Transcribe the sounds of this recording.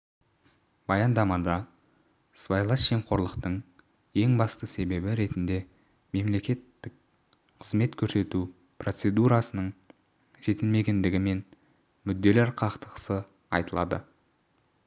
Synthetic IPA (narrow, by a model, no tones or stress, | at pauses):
b̥ɑjɑnd̪ɑmɑd̪ɑ | svajlˠɑsʒe̞mqʰo̞ɾlˠəqt̪əɴ | je̞ŋbɑst̪əse̞be̞bɪɾe̞t̪ɪnd̪e̞ | me̞mle̞kʲe̞t̪ːɪk̚ | qʰəzme̞t̪kʲʰɵɾse̞t̪u | pro̞t̪se̞d̪uɾɑsənəɴ | ʒ̥e̞t̪ɪlme̞ɡʲe̞nd̪ɪɡʲɪme̞n | mʏd̪ːe̞leɾqʰɑqt̪əqə̥sə | ɑ̰jt̪əlˠɑ̰d̪ə̰